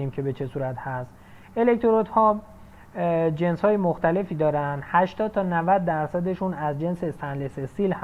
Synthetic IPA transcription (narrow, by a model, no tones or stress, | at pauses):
iːmcʰebe̞t͡ʃʰe̞suːɾæt̪hæst̪ | e̞le̞k̚t̪ʰoɾot̪hɒː | d͡ʒe̞nshɒːjemoxt̪æle̞fiːd̪ɒːɾænd̪hæʃt̪ɒːd̪̥̚t̪ʰɒːnævæd̪̚ːæɾsæd̪e̞ʃunæzd͡ʒe̞nsest̪ænlesesilh